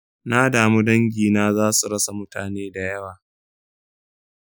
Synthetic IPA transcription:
na˦daː˨mu˦dɐ˦ŋɡʲiː˨naː˦zaː˦su˨ɽɐ˦sa˨mʊ˦taː˨neː˦da˨jɐ˦waː˨

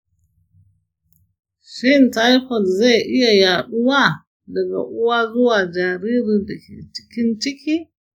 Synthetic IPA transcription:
ʃɪ˦nta˦jkɔ˨lza˦˨jʔɪ˦ja˨jaː˨ɗʊ˦wa˦ | dɐ˨ɡa̰˨ʔʊ˦wa˦zʊ˦waː˨d͡ʒa˨ɾiː˦ɾi˨da˨kʲḛ˨t͡ʃɪ̥˦kʲɪ˦nt͡ʃɪ˦kʲiː˦

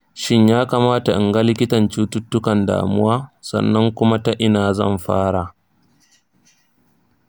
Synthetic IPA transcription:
ʃɪ˦ɲjaː˦kaː˨maː˦ta˨ʔɪ˨ŋɡa˦lɪ˦kʲɪ˦tɐ˨nt͡ʃuː˦tʊ˦tːʊ˦kɐ˨nda̰ː˨mʊ˦waː˦sɐ̰˨nːɐ˦ŋkʷʊ˦ma˦ta˦ʔɪ˦naː˨zɐ̰˦˨mɸa̰ː˦ɽa˨

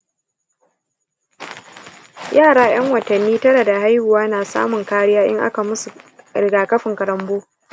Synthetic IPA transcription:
jaː˦˨ɽaː˦j̰ɐ˦ŋwɐ˨tɐ˨nːiː˦tɐ˦ɽɐ˨da˨ɦa˦jhʊ˨waː˦naː˨sa̰ː˦mʊ˨ŋkaː˦ɽɪ˦jaː˦ʔɪ˦ŋʔa̰˦ka˨mʊ˦su˨ɽɪ˨ɡaː˨kɐ˦ɸɪ˨ŋkɐ˨ɾɐ˦mboː˦

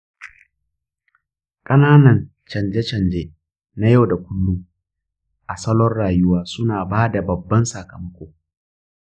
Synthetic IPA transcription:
kʼɐ˦naː˦nɐ˨n | t͡ʃɐ˨nd͡ʒe˦t͡ʃɐ˨nd͡ʒe˦ | na˦ja˦wda˨kʷʊ˦nːu˦ | ʔa˨sɐ˦lɔ˦rɽaː˨jʊ˦waː˦sʊ˦naː˨baː˦da˨bɐ˨bːɐ˦nsa˨kɐ˨mɐ˦kʷoː˨

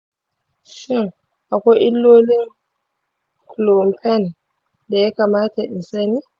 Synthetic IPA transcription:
ʃi˦˨ŋ | ʔa˨kʷɔ˦ʔi˦lːoː˦li˦ŋ | klɔ˨mpʰɛ˦˨n | da˨ja˦ka˨maː˦ta˨ʔɪ˨nsa˦ni˦

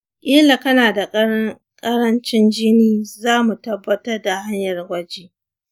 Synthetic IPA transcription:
ʔʼɪ˦la˨kɐ˦naː˨da˨kʼɐ˦ | kʼɐ˦ɾɐ˦nt͡ʃɪ˦nd͡ʒɪ˦niː˦zaː˦mu˨tɐ˦bːɐ˦tɐ˦rda˨ha˦ɲjɐ˨rwʷɐ˦d͡ʒeː˦

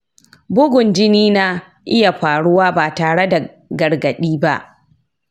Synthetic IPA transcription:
bʊ˦ɡʷʊ˨nd͡ʒɪ˦niː˦na˦ | ʔɪ˦ja˨ɸaː˨ɽʊ˦waː˦baː˨taː˨ɽe˦da˨ | ɡɐ˨ɽɡɐ˨ɗiː˦ba̰˦ʔ

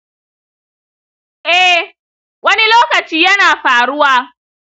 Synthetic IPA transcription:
ʔɛ˦ | wɐ˦ni˦loː˦kɐ˨t͡ʃiː˦jɐ˦naː˨ɸaː˨ɽʊ˦waː˦

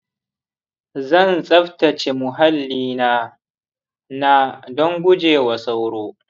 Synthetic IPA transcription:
zɐ˦˨nsʼɐ˦ɸtɐ˨t͡ʃe˨mʊ˨ɦa˦lːiː˦naː˦ | na˦dɔ˦ŋɡʷʊ˦d͡ʒeː˨wɐ˨sa˦wɽoː˦

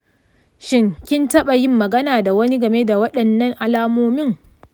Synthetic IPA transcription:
ʃɪ˦ŋkʲɪ˦ntɐ˦ɓa˨jɪ˦mːɐ˨ɡɐ˦naː˨da˨wɐ˦ni˦ɡɐ˨me˦da˨wɐ˦ɗɐ˨nːɐ˦ŋʔa˨laː˦moː˦mɪ˦ŋ

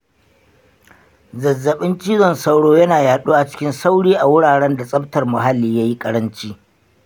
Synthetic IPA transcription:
zɐ˨zːɐ˨ɓɪ˦nt͡ʃiː˦zɔ˨nsɐ˦wɽoː˦jɐ˦naː˨jaː˨ɗuː˦ʔa˨t͡ʃɪ̥˦kʲɪ˦nsa˦wɽiː˦ʔa˨wʊ˦ɽaː˨ɽɛ˦nda˨sʼɐ˦btɐ˨rmʊ˨ɦa˦lːiː˨ja˦ji˦kʼɐ˦ɽɐ˦nt͡ʃiː˦

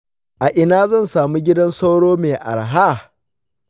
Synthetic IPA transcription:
ʔa˨ʔɪ˨naː˦zɐ˦˨nsaː˨mu˦ɡʲɪ˦dɐ˦nsa˦wɽoː˦meː˨ʔa̰˨ɽɦa˦

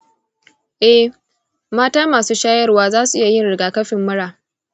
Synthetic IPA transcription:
ʔɛ˦h | maː˦taː˦maː˨suː˦ʃaː˦jɐ˦rwaː˦zaː˦su˨ʔɪ˦ja˨jɪ˦nɽɪ˨ɡaː˨kɐ˦ɸɪ˨mːʊ˦ɽaː˨

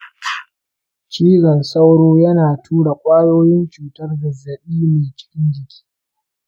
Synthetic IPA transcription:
t͡ʃiː˦ɡɐ˨nsa˦wɽoː˦jɐ˦naː˨tʰuː˦ɽa˨kʷʼaː˦joː˦jɪ˦nt͡ʃuː˨tɐ˦rɡɐ˨zːɐ˨ɓiː˦meː˨t͡ʃɪ̥˦kʲɪ˦nd͡ʒɪ˨kʲi̥ː˦

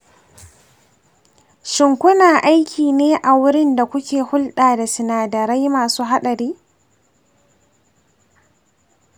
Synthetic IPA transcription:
ʃɪ˨ŋkʷʊ˦naː˨ʔa˦jkʲʰiː˨neː˦ʔa˨wʊ˦ɽɪ˦nda˨kʷʊ˦kʲʰeː˨hʊ˦lɗaː˨da˨sɪ˨naː˨dɐ˨ɾa˦jmaː˨suː˦ɦa˦ɗɐ˨ɾiː˦

